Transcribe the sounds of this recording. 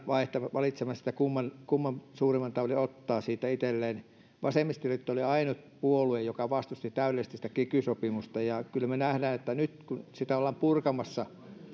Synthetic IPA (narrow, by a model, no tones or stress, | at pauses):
ʋɑiht̪ɑʋɑlit̪semɑssit̪ækumːɑnkumːɑmsuːrimːˑɑnt̪ɑʋliot̪ːɑːsiːt̪æit̪elːeːn | ʋɑsemːist̪iryt̪ːoliɑinut̪puoluejjokɑʋɑst̪ust̪it̪æyleest̪isĭ̥t̪æ̥kikysopimust̪ɑjɑkylːæmenæhdæːnet̪ːænyt̪kunsit̪æolːɑmpurkɑmɑsːɑ